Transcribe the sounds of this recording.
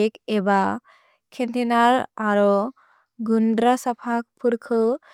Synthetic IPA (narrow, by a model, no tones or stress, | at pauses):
keba | kʰent̪ʰinaɾaɾɔ | ɡundɾasapʰak̚pʰuɾkʰɯ